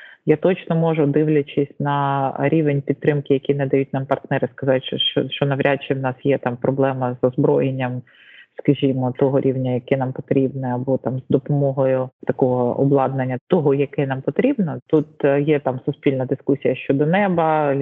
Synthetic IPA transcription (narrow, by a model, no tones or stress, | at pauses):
jat̪ɔt͡ʃnɔmɔʒʊd̪ɪwlʲɐt͡ʃɪsʲnɐɾʲiʋenʲpʲidt̪ːɾɪmkɪjɐkʲinɛd̪ɐjutʲnɑmpɐrt̪nɛɾɪskɐzɑtʲt͡ʃt͡ʃɔ̰ʃt͡ʃɔnɐʋɾʲʔat͡ʃːɪwnɑsjɛt̪ɑmpɾɔblˠɛmɐzɔzbɾɔjenʲːɐm | skɐʒʲimɔt̪ɔɦɔɾʲiwnʲɐjɐkɛnɑmpɔt̪ɾʲibnɪɐbɔt̪ɑmzd̪ɔpɔmɔɦɔjʊt̪ɐkɔɦɔɔ̰blˠɑd̪̚nɐnʲːɐt̪ɔɦɔjɐkɛnɑmpɔt̪ɾʲibnɔt̪ut̪jɛt̪ɑmsʊspʲilʲnɐd̪ɪskusʲijɐʃt͡ʃɔd̪ɔnɛbɐ